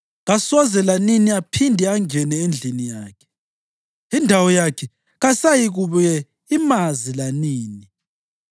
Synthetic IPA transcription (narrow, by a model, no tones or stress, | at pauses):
ɣasɔzɛlaniniapʰindʱɛaŋɛnɛend͡ɮʱinijaːkʰɛ̥ | indʱawɔjakʰɛ | ɣasajiɣuβujɛ | imazilaniːni